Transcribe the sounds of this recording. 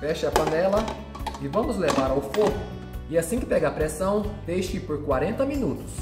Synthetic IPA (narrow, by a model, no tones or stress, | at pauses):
fɛʃɪɐpɐ̃nɛlɐ | ɪvɐ̃mʊzlevaɾawfoɡʊ | ɪasĩkɪpɛɡapɾesɐ̃w̃d̪ejʃɪkɪpoɾkwaɾẽnt̪ɐmĩnut̪ʊ̥s